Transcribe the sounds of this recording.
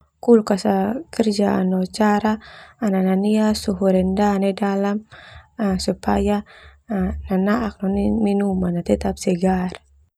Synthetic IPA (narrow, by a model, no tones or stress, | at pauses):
kulkasakərd͡ʒaːnɔt͡ʃaɾaːnananiasuɦuɾɛndanɛdalam | supaja | nanaʔak̚nɔniminumanat̪ɛt̪apsɛɡar